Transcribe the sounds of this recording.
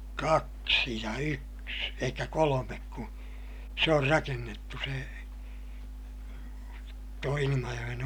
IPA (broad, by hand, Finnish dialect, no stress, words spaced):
kɑksi jɑ yks elikːæ kolomek ku se or rɑkenːetːu se tuo ilimɑjoj̆en